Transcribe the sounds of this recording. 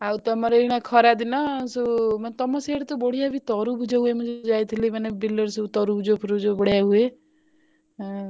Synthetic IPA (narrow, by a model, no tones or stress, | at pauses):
awt̪ɔmɔɾeiɽ̃akʰɔɾad̪inɔsumant̪ɔmɔseɽt̪ɔboɽijabit̪ɔɾubʱud͡ʒɔɦuemud͡ʒed͡ʒajt̪ʰilimanebilɔɾsut̪ɔɾubʱud͡ʒopʰuɾud͡ʒobɔɽjaɦue